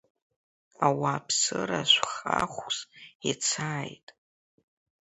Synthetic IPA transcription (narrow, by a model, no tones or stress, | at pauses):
awaːpʰsɨraʃʷχaχʷʼsat͡sʰaːjtʼ